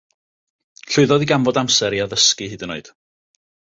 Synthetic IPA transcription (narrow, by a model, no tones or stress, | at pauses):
ɬʊɨðɔðiɡamvɔdamsɛɾiaðəskɨɦɨːdənoɨd̥